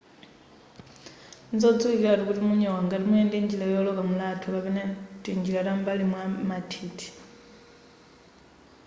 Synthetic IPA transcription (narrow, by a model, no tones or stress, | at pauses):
nd͡zɔd͡zuiiaɾukutimuɲowaŋɡatimueːndiɲd͡ʒilejolokamulatʰukapenetiɲd͡ʒilatambalimwamatʰitʰi̥